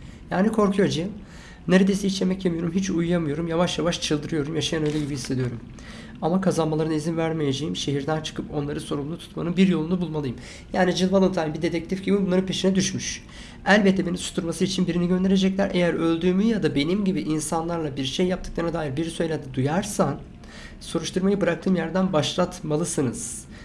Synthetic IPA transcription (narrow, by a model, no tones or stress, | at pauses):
jaːnikʰo̞ɾkʰujad͡ʒajɯm | ne̞ɾed̪aisiit͡ʃʲemɛcjemijo̞ɾumɦit͡ʃujːamɯjo̞ɾumjavaʃjavaʃt͡ʃʰɯlˠd̪ɯɾɯjo̞ɾumjaʃajanø̞jlʲɛɟibihise̞d̪ijo̞ɾum | amakʰazanmalˠaɾɯnaizinvæɾmejed͡ʒe̞jimʃe̞ɦiɾd̪ænt͡ʃʰɯ̥kʰɯpo̞nlˠaɾɯso̞ɾumlˠut̪ʰu̥t̪manɯnbiɾjo̞lˠunubulˠmalˠɯjɯm | jaːnid͡ʒɯlˠmalˠɯmt̪ʰaːnbid̪e̞t̪ʰɛc̚t̪ʰifɟibibunˠaɾɯnpʰe̞ʃinɛd̪yʃmyʃ | ælʲbɛt̪ʰːɛbe̞nimsu̥t̪ʰuɾmasɯit͡ʃʰinbiɾiniɟønd̪e̞ɾed͡ʒɛclʲæɾʔejæɾø̞lʲd̪yːmyjad̪abe̞nimɟibiʔinsanlˠaɾlˠabiɾʃejːap̚t̪ʰɯ̥klˠaɾnad̪aːjiɾbiɾisø̞jlʲɛd̪ɛd̪ujaɾsan | so̞ɾuʃt̪ʰuɾmajɯbɯɾak̚t̪ʰɯːmjæɾd̪ænbaʃlˠat̪malˠɯsɯnɯz̥